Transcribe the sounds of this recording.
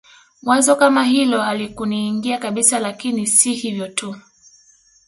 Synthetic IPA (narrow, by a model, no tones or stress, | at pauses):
mwanzɔkamaɦilɔalikuniːŋɡiakaɓisalakinisihivjɔtu